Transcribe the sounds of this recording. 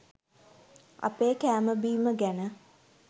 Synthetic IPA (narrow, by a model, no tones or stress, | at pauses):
a̰peːkæːməbiːməɡænə